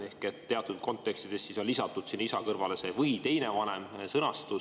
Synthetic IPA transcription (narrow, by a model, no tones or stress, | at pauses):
e̞hket̪ːeɑt̪ːˑud̪̥̚ko̞nt̪ːˑe̞kst̪id̪̥e̞stːiso̞lʲːisɑt̪ːˑud̪̥sinːisɑkɤrvɑle̞se̞vɤjt̪e̞jnevɑne̞msɤnɑst̪u